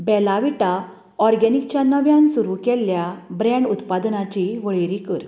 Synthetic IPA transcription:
bɛlaʋiʈa | ɔɾɡɛnik̚t͡ɕjanəʋjãnsuɾukɛlːjabɾɛ̃ɳɖut̪pad̪nat͡ɕiʋəɭiɾikəɾ

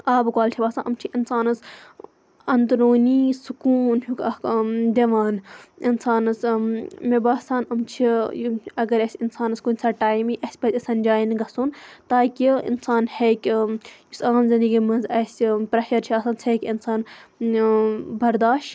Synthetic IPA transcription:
aːbkwaːlt͡ʃʰibaːsaːnʔɐmt͡ʃʰiʔinsaːnɐs | ɐnt̪ɾoːniːsukuːnɦukɐkd̪eʋaːninsaːnɐsmebaːsaːnɐmt͡ʃʰijɐɡɐɾɐsʲinsaːnɐskunʲsʰaːʈaːjmiʔɐsʲpɐtʲɐsɐnd͡ʒaːjinɡɐsuːnt̪aːkʲiḭnsaːnhekʲjusaːmzind̪ɐɡiːmɐnzɐsʲpɾɐʃɐɾt͡ʃʰiɐsaːnt͡sʰeːkʲinsaːn | bɐɾd̪aːʃ

